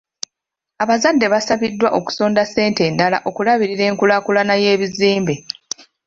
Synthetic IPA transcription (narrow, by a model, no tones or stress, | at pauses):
aβazadːe̞βasaβidːwaʔo̞ku̥so̞ːndase̞ːnte̞ndala̰ʔo̞kulaβiɾiɾe̞ːŋkulakulanaje̞ːβiziːmbe̞